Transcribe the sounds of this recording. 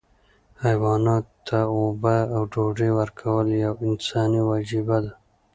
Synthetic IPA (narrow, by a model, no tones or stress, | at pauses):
hajwɑːnɑːt̪t̪ːaobaːwɖoɖewəɾkʰawəljawɪnsɑːniwɑːd͡ʒibad̪a